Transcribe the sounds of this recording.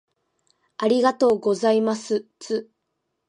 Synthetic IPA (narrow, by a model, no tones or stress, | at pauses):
aɾʲiɡat̪o̞ːɡo̞zaimasɨt͡sɨ